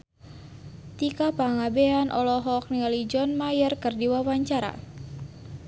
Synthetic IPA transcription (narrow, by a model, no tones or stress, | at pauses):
t̪ikapaŋabeanʔɔlɔɦɔk̚nialid͡ʒɔnmajərkɨrdiwawaɲt͡ʃaɾa̰